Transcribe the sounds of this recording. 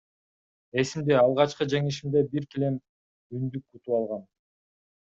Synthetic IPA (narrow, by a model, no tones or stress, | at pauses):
e̞simd̪eɑlˠʁɑt͡ʃqɯd͡ʒe̞ŋiʃimd̪e̞biɾk̪ile̞m | ynd̪ykːut̪uwɑlˠʁɑn